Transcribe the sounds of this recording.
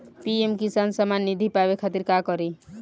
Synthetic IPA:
piemkisansəmanːid̪ʱipabekʰat̪iɾkakɔɾi

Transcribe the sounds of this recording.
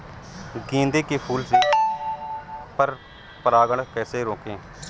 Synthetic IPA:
ɡĩːnd̪eːkiːpʰuːlsiː | pəɾ | pəɾaːɡəɳkɛːseːɾoːkẽː

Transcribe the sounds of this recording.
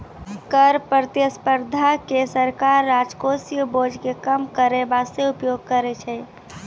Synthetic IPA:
kəɾpɾət̪jəspəɾd̪ʱakesəɾkaɾːad͡ʒkosijubod͡ʒʱkekəmkəɾebaseupjoɡ̚kəɾɛt͡ʃʰɛ

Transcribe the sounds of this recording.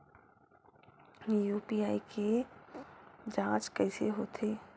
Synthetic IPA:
juːpiːaːikʰe | d͡ʒãːt͡ʃkɛːseɦoːt̪ʰeː

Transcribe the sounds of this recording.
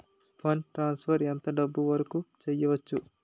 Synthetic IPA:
pʰɐnʈɾaːnspʰɐɾɛnt̪ɐɖɐbːuʋɐɾɐkut͡ʃɛjːɐʋɐt͡ʃːu

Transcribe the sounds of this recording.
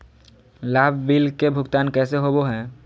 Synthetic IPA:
laːbʱbilkebʱʊɡt̪aːnkɛːseɦoboɦɛ̃ː

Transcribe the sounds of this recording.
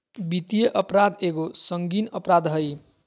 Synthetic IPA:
bit̪ijeʔʌpɾad̪eɡosʌŋɡinʌpɾad̪ɦʌj

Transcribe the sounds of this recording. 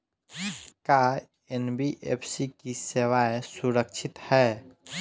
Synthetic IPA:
ka | enbiʔepʰsikiseʋaesuɾəkt͡ʃʰɪt̪hɛː

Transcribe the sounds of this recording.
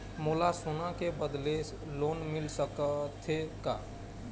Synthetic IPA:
moːlasunakebəd̪les | loːnmɪlsəkət̪ʰeka

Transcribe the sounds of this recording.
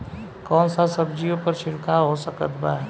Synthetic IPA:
kɔːnsasəbd͡ʒiõpəɾʃɪɾkʰaɦosəkət̪ba

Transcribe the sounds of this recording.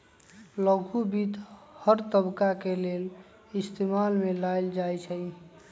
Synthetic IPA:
ləɡʱubid̪həɾt̪əbkakelel | ist̪emalmelajld͡ʒajt͡ʃʰəj

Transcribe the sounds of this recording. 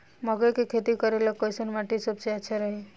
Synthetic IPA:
məɡəkekʰet̪ikəɾelakːojsənmaʈisəbseətːʃʰaɾəɦi

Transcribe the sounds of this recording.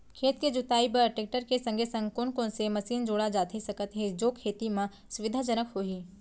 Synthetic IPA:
kʰeːt̪ked͡ʒʊt̪aːipɐɾʈek̚ʈəɾkesə̃ŋɡʱesə̃ŋɡkʊnkõnsemɐsiːnd͡ʒoːɽad͡ʒaːt̪ʰesɐkət̪ɦed͡ʒoːkʰeːt̪imã | sʊʋɪd̪ʱad͡ʒənəkɦoːiː

